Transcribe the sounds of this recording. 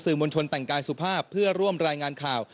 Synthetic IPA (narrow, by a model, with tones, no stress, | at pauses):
sɯː˨˩mo˧nt͡ɕʰo˧nt̪ɛ˨˩ŋkaː˧jsu˨˩pʰaː˥˩pʰːɯ˥˩ɐɾu˥˩əmɾaː˧jŋaː˧nkʰaː˨˩w